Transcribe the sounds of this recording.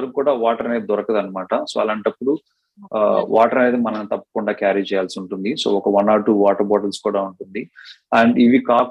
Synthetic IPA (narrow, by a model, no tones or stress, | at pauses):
ɐɾɐkkuːɽaːʋaːʈɐɾɐned̪id̪ɔɾɐkɐd̪ɐnːɐmaːʈɐso̰ːɐlaːɳʈɐpːuɽu | ʋaːʈɐɾɐne̞ːd̪imɐnɐnt̪ɐpːɐ̥kuɳɖaːkjaːɾiːt͡ʃɛːjaːlsiuɳʈund̪iso̞̰ːɔkɐʋɐnaːʈuːʋaːʈɐɾbɔːʈɐlskuːɽaːuɳʈund̪iɐːɳɖiʋikaːk